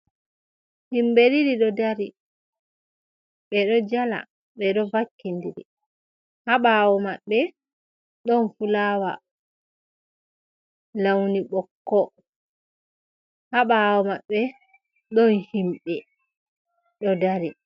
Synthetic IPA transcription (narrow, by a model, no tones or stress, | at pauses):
himbeɾiɾiɗɔdaɾi | ɓɛɗɔd͡ʒala̰ | ɓɛɗɔvakːindiɾḭ | haɓawɔmaɓːɛ | ɗɔnfulaːwa̰ | lawniɓɔkːɔ | haɓawɔmaɓːɛ | ɗɔnhimɓɛ | ɗɔdaɾi